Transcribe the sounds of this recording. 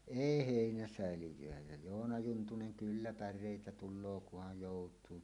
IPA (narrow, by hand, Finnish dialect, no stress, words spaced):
eˑi heˑinæsæˑelijˑøæ jæ joːnɑ juntunen kylːæ pærˑeˑitæ tulˑoː kuhɑj joˑutˑuː